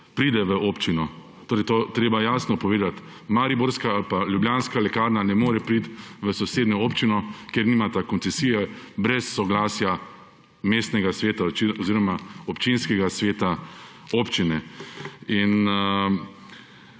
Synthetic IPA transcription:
pɾiːd̪ɛʋəopt͡ʃinɔ | t̪oːɾɛjt̪oːt̪ɾeːbajaːsnɔpɔʋeːd̪at̪ | maɾiboɾskaalpaljubljaːnskalɛkaːɾnanɛmoːɾɛpɾit̪ʋəsɔseːd̪nɔoːpt͡ʃinɔkjeɾniːmat̪akɔnt̪sɛsiːjɛbɾɛsːɔɡlaːsja | meːst̪nɛɡasʋeːt̪aiɔziːɾɔmaɔpt͡ʃinskɛɡasʋeːt̪a | oːpt͡ʃinɛ | in

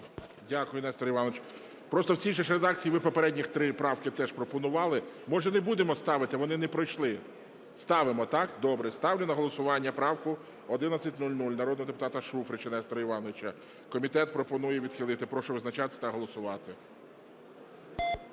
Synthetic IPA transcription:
dʲakʊjʊnɛst̪ɾɐiʋɑnɔʋɪt͡ʃ | pɾɔst̪ɔwt͡sʲijʒɛʃɾed̪ɑk̚t͡sʲijiʋɪpɔpeɾɛdʲnʲixt̪ɾɪpɾɑwkɪt̪ɛʃpɾɔpɔnʊʋɑlˠɪmɔʒɛnebud̪emɔst̪ɑʋɪt̪ɪʋɔnɪnɛpɾɔjʃlˠɪ | st̪ɑʋɪmɔt̪ɑkd̪ɔbɾɛst̪ɑwlʲinɐɦɔlˠɔsʊʋɑnʲːɐpɾɑwkʊ | ɔd̪ɪnɐt͡sʲɐtʲnulʲnulʲnɐɾɔd̪nɔɦɔd̪epʊ̥t̪ɑt̪ɐʃufɾɪt͡ʃɐnɛst̪ɾɐiʋɑnɔʋɪt͡ʃɐ | kɔmʲit̪ɛt̪pɾɔpɔnujɛʋʲid̪̥xʲilˠɪt̪ɪpɾɔʃɔʋɪznɐt͡ʃɑt̪ɪ̥sʲt̪ɐɦɔlˠɔsʊʋɑt̪ɪ

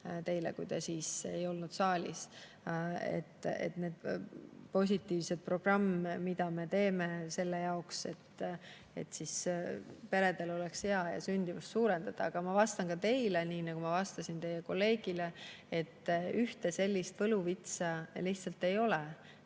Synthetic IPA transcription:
t̪e̞jlḛkujd̪esiːsḛjo̞lnud̪̥sɑːlʲḭs | ḛt̪ːḛt̪ne̞ːd̪̥po̞s̬ʲit̪ːˑiːvse̞d̪̥̚pro̞ɡ̥rɑmːmid̪̥ɑme̞t̪e̞ːme̞se̞lːejɑokse̞̰t̪ː | e̞̰t̪ːsis | pe̞ɾe̞d̪e̞lo̞lekshe̞ɑjɑ̰synʲd̪̥ivust̪suːɾe̞nd̪̥ɑd̪̥ɑːɡ̥ɑmɑvɑst̪ɑnkɑt̪e̞jleniːnɑɡ̥umɑvɑst̪ɑsʲint̪e̞jːeko̞lːe̞ːɡ̥ileet̪ːˑyht̪e̞se̞lʲːist̪vɤluvit̪sɑliht̪sɑlt̪ːe̞jo̞le

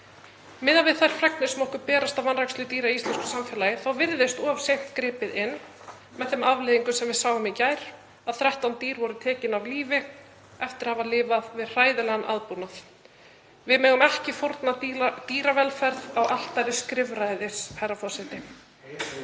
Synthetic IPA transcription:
mɪðavɪðθajɾ̥fɾɛknɪsɛmɔhkʏpɛːɾast̪avvanrakslʏt̪iːɾaist̪lɛnskʏ̥samfɛːlajɪθawvɪɾðɪst̪ɔːv̥sejm̥t̪kɾɪːpɪðɪnː | mɛðθɛmavlɪðiŋkʏsɛmvɪðsaːwɣʏmicaːjɾ̥ | aðθɾɛht̪awnt̪iːɾvɔɾʏt̪ʰɛːcɪnavliːvɪ | ɛft̪ɪɾ̥haːvalɪːvaðvɪðr̥aːjðɪlɛɣanʔa̰ðpunaθ | vɪðmɛːɣʏmɛhcɪfoɾt̪nat̪iːɾavɛlfɛɾðawʔal̥t̪aɾɪskɾɪvɾajðɪsharːafɔ̥sɛt̪ɪ

